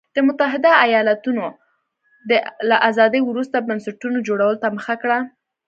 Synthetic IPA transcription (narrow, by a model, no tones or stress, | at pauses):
d̪̥əmʊt̪aɦɪd̪aːjɑlat̪uno | d̪əlaʔazɑd̪əjwɾust̪abansaʈunod͡ʒoɽawəlot̪aməxakɽa